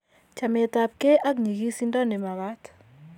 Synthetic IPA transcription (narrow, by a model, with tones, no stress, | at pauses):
t͡ʃa˨me˨t̪a˨p̚ke˦ʔa˦kɲi˨ɣi˦si˦ndɔ˦ne˨ma˨βa˦t